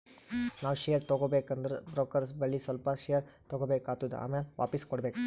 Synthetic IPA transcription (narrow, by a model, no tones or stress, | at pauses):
naːʋʃejɐɾt̪oɡoːbekɐnd̪ɐɾṵbɾoːkɐɾsbɐɭːisɐlpɐʃejɐɾt̪oɡobeːkaːt̪ːud̪ua̰ːmeːlʋʔa̰ːpiskɔɽbeːk